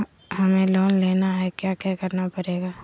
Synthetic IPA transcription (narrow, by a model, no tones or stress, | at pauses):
ɦɐmẽloːnleːnaɦɛkjaːkjɛkəɾnapɐɾeːɡaː